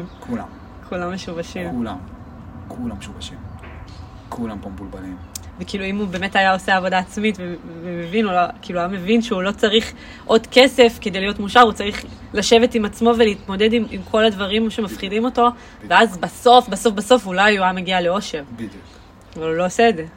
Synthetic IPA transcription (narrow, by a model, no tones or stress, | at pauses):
kula̰m | kʰulamːeʃuvaʃimmulam | kʰulamːeʃuvaʃim | kʰulampompulbalimvekiːluimubeːme̞tajao̞seaːvo̞daːt͡smitvevemevinuokiːluajame̞vinʃeulo̞t͡saʁiχ | ʔo̞dke̞se̞fkedejlijo̞tmuʃaʁut͡saʁiχ | laʃe̞ve̞timat͡smo̞veleit̪mo̞de̞dimimkʰo̞ladvaʁimʃemafχidimo̞to̞ | veazbaso̞fbaso̞fbaso̞fulajuʁameɡialeo̞ʃe̞ʁbu | avalulo̞oseːdze̞